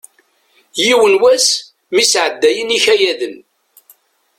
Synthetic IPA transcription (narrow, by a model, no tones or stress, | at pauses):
jiwənwæs | misʕəd̪ːæjəniçæjæðən